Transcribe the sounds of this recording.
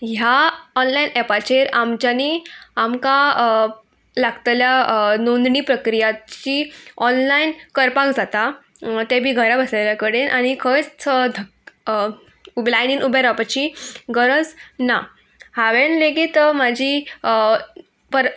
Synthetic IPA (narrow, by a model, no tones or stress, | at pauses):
ɦjaɔnlainɛpat͡ɕeɾamt͡ɕaniamka | laɡt̪ljanond̪niːpɾəkɾijat̪t͡ɕiɔnlainkəɾpakd͡zat̪a | t̪ɛbʱiːɡʱəɾabəsleljakəɽenʔaɽ̃ikʰət͡st͡sd̪ʱə | ublajninubɛɾapat͡ɕiɡəɾəd͡zna | haʋenleɡiːt̪mad͡ʑʱi | pəɾ